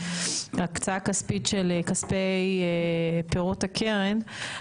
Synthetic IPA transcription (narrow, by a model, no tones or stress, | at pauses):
akt͡saakaspitʃelkaspejepeʁotakʰeʁen